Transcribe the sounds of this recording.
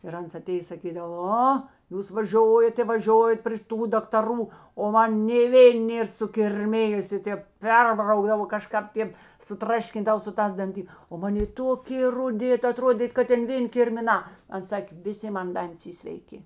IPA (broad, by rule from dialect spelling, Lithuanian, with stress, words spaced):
ɪr ˈɐns ɐˈtʲeːjeːs sɐˈkʲiːdɐw ˈoː ˈjuːs ʋɐˈʒʲoːjɛt ɪ ʋɐˈʒʲoːjɛt pr ʃʲɪˈtuː dɐktɐˈruː oː ˈmɐn nʲeː ˈʋʲeːn ˈnʲeːr sʊkʲɪrʲˈmʲɪjʊsʲeː ˈtʲeːp ˈpʲɛrbrɐʊɡdɐʋoː kɐˈʃkɑːp ˈtʲeːp sʊˈtrɑːʃʲkʲɪndɐw sʊ ˈtɑːs dɐnʲˈtʲɪ oː ˈmɐn ˈjeː ˈtoːkʲeː rʊˈdʲɪ ɐˈtroːdʲeːt kɐt ˈtʲeːn ˈʋʲeːnʲ kʲɪrʲmʲɪˈnɑː ˈɐns ˈsɑːkʲeː ʋʲɪˈsʲɪ ˈmɐn ˈdɐnʲtʲɪs ˈiː sʲʋʲɛɪˈkʲɪ